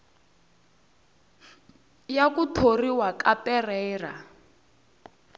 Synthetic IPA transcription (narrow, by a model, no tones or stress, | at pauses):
jakutʰoriwakapɛrɛːra̰